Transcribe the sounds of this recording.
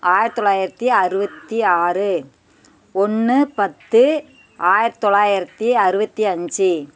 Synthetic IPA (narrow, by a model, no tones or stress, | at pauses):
ʔaːjɪɾɐt̪ːɔɭːaːjɪɾɐt̪ːiɐɾɯbɐt̪ːiaːrɯ | ɔnːɯpɐt̪ːɯ | aːjɪɾɐt̪ːɔɭːaːjɪɾɐt̪ːiɐɾɯbɐt̪ːiɐɲd͡ʒɯ